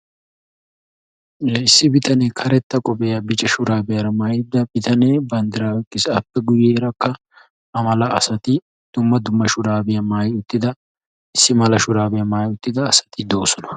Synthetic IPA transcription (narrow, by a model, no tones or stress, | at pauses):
ɪsːɪbɪt̪ɐneːkʰɐɾɛt̪ːɐkʼɔbeːjɐbɪt͡ʃʼɛʃʊɾaːbɪjɐɾɐmaːjɪd̪ːɐb̥ɪt̪ɐneːbɐnd̪ɪɾaːwɛkʼːɪsɐpːɛɡʊjeːɾɐkːɐ | ɐmɐlɐɐsɐt̪ɪ | d̪̥ʊmːɐd̪ʊmːɐʃʊɾaːbɪjɐmaːjʊt̪ːɪd̪ɐ | ɪsːɪmɐlɐʃʊɾaːbɪjɐmaːjʊt̪ːɪd̪ɐːsɐ̥t̪ʰɪd̪o̞ːsɔnɐ̥